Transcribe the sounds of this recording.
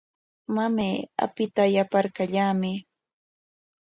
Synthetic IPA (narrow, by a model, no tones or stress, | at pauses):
mameːa̰pɪt̪ajapaɾkaʎaːmɪ